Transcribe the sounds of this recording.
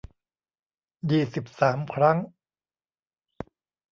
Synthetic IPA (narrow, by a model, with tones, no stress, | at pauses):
jiː˨˩si˨˩p̚saː˩˦mkʰɾa˦˥ŋ